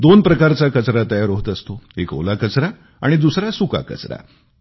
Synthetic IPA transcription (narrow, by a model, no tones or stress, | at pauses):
d̪onpɾəkaɾt͡sakət͡sɾat̪əjaɾoɦt̪əst̪oeko̰lakət͡sɾa | a̰ɽ̃id̪usɾasuka̰kə̰t͡sɾa̰